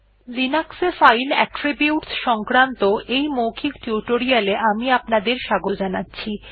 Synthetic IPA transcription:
linaksefajlɛʈɾibiuʈsʃɔŋkɾant̪oʔejmokʰikʈjuʈoɾialeʔamiapnad̪eɾʃaɡod͡ʑanatːɕʰi

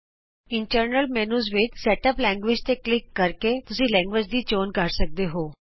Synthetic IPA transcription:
ɪɳʈəɾnəlmɛːnuːzʋɪt͡ʃsɛːʈəplɛ̃ːŋɡʋɪd͡ʒt̪eːklɪkːəɾket̪ʊsĩːlɛ̃ːŋɡʋɪd͡ʒd̪iːt͡ʃoːnkəɾsək̚d̪eːɦoː

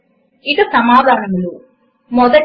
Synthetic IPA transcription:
iðusɐmaːd̪ʱaːnɐmulu | mɔd̪ɐ

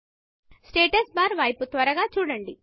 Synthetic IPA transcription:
sʈeːʈɐsbaːɾʋɐjput̪ʋɐɾɐɡaːt͡ʃuːɽɐɳɖi

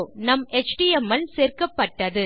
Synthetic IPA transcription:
nɐmɛt͡ʃʈiɛmːɐlseːrkɐpːɐʈːɐðɯ

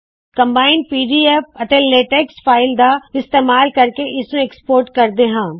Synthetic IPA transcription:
kɐ̃mbaːɪnɖ̚piːɖiefɐʈ̪elːeːʈeːksfaːɪld̪aɪst̪eːmaːlkɐɾkeʔɪsẽekspoːɾʈkɐɾd̪eɦãː

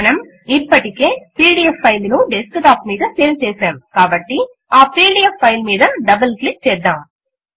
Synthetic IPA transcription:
nɐm | ipːɐʈike̞ːpiːɽiepʰːɐjlnuɖeskʈaːpmiːd̪ɐseːlt͡ʃɛːsaːmkaːbɐʈːi | aːpiːɽiefʰːɐjlmiːd̪ɐɖɐbɐlklik̚t͡ʃɛːd̪ːaːm

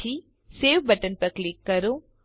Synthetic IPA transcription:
i | seːʋbɐʈənpɐɾklɪkːɐɾoː

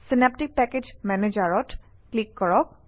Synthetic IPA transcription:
sinep̚tik̚pɛked͡ʒmɛned͡ʒaɹɔt | klikːɔɹɔk̚

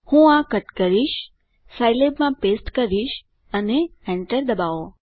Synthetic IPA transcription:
hũakəʈkəɾiʃ | sajlebmãpesʈkəɾiʃ | əneɛ̃ɳʈəɾd̪əbaʋo

